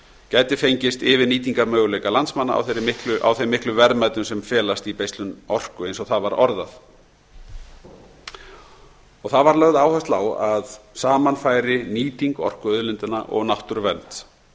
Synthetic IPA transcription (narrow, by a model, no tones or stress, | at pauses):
cajt̪ɪfejɲcɪst̪ɪvɪniːt̪̬iŋkaɾmœːɣʏlejkalant̪smanːa̰a̰wθeɾmɪhklʏʔa̰wθejmɪhklʏvɛɾðmajt̪ʏmsɛmfɛːlast̪ipejst̪lʏnɔr̥kʏejnsɔɣθaðvaɾɔɾðaθ | ɔɣθaðvaɾlœɣðaːwhœst̪la̰ːwaðsaːmanfaːjɾɪniːt̪iŋkɔ̰r̥kʏœðlʏnt̪ɪnaʔɔ̰ɣnawht̪ʏɾʏvɛnt̪